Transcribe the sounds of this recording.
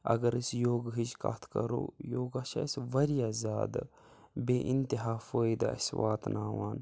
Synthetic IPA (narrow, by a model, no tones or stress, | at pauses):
ɐ̰ɡɐɾisjoːɡɦid͡ʒka̰ːt̪ʰkɐɾo̰ːjoːɡaʃa̰isʋɐɾijaːzʲjaːd̪a | beːʔint̪iɦaːfoːid̪a̰ɐ̰swaːt̪nʔaːwaːn